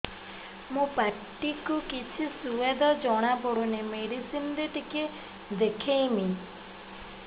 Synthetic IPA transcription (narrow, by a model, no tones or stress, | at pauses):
mũpaʈːikukit͡ʃʰisued̪ɔd͡ʒɔɽ̃abɔɽunemeɽisind̪eʈike | d̪ekʰejmi